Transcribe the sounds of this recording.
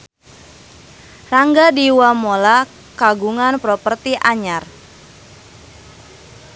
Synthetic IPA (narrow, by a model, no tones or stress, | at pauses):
raŋɡadiwamola | kaɡuŋanpɾɔpərt̪iʔaɲar